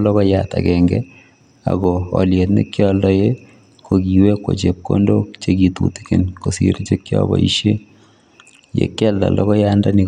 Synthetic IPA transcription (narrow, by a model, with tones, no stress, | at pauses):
lɔ˦kɔ˦jat̪a˨kɛŋɡɛ˦ | a̰˨ɡɔɔlje˨t̪nḛ˦kjɔ˦ldɔ˦je˦ | ko˨ɡi˨we˦ko̰˨t͡ʃep̚ko̰ndo˦t͡ʃe˦ɡit̪ṵt̪i̥kɪ˨nko˨sḭ˦ɾt͡ʃe˦kjɔ̰bɔ̰˨ḭʃe˦ | jḛ˨kːɛ˦lda̰˨lɔkɔ˦jandanɪ˨